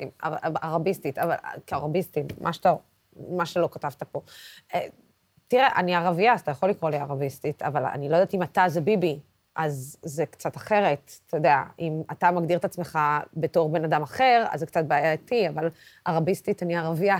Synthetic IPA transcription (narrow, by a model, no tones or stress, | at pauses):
ima̰aʁabistit̪ava̰l̰keaʁabistimːʔa̰ʃta | maʃelo̞katavt̪apo̞e | t̪iʁeʔaniaʁaviat̪ajaχo̞likʁo̞liaʁabistit̪ʰa̰vala̰nilo̞jdaːtimat̪azebibi | ʔazːekt͡sataχe̞ʁe̞ttedea̰imatamaɡd̪iʁet̪at͡sme̞χabe̞to̞ʁbe̞nadamaχe̞ʁa̰zːekt͡sat̚beaːjatiaval | aʁabistit̪aniaʁavija